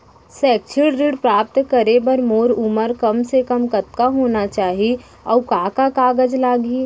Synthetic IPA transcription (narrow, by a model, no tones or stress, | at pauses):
sɛːk̚t͡ʃʰɪɽɾiɽpɾaːp̚t̪kəɾebɐɾmoːɾʊməɾkɐmsekəmkɐt̪kaɦoːnat͡ʃaːɦie | ɔ̰ːkaːkakaːɡəd͡ʒlaːɡi